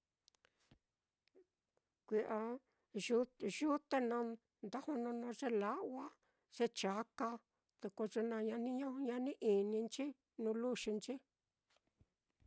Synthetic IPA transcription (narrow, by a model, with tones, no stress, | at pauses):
kʷi˨ʔa˧˦ | ʒu˦t̪e˦nã˧ | nd̪a˦hũ˦˧nõ˧nõ˧ʐe˦la˦wa˦ | ʐ̥e˦t͡ʃa˨˦ka˧ | ðu˧ko˧ʐe˧nã˧ɲã˧nĩ˦ɲõ˦˧ɲã˧nĩ˦ʔi˨nĩ˧nt͡ʃi˦ | nũ˧˦lu˦ʃi˧nt͡ʃi˦